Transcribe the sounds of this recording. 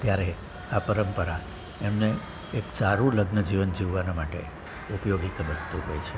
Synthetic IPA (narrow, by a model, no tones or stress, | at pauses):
t̪jaɾe | apəɾəmpəɾa | emne | eksaɾũləɡnəd͡ʒiʋənd͡ʒiʋːanamaʈḛ | upjoɡikəbəɾt̪ũɦɔjt͡ʃʰe